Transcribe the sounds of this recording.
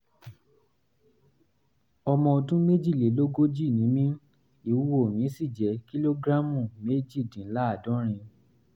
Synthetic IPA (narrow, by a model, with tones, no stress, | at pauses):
ɔ˧mɔ̃˧o˧tũ˦me˦d͡ʒi˦˨le˨˦lo˦ɡo˦d͡ʒi˦˨nĩ˨˦mĩ˦ | i˨˦wu˦o˦˨mĩ˨˦si˦˨d͡ʒɛ˨˦ki˦lo˦ɡɾa˦mũ˨me˦d͡ʒi˦˨dĩ˨˦la˦a˦˨dɔ̃˨˦ɾ̃ĩ˧